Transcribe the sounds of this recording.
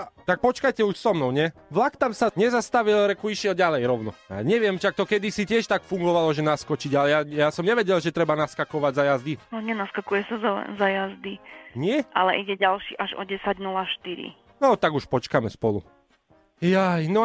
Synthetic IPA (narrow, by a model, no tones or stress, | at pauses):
t̪ak̚pɔt͡ʃkajcɛuʃsɔmnɔʊɲɛ | ʋlakt̪amsaɲɛzast̪aʋilɾɛkuiʃjɛlɟalɛjɾɔʊnɔa̰ɲɛʋɪɛmʃak̚t̪ɔkɛd̪isicɪɛʃt̪akfuŋɡɔʋalɔʒɛnaskɔt͡ʃiɟalɛjajasɔmɲɛʋɛɟɛlʒɛt̪ɾɛbanaskakɔʋaɟzajazd̪inɔɲɛnaskakujɛsaza̰zajazd̪iɲɪɛʔa̰lɛ̰ʔiɟɛɟalʃiːʔaʒɔ̰ɟɛsaɟnulaʃt̪iɾḭ | nɔt̪aɡuʃpɔt͡ʃkamɛspɔlṵ | jajnɔ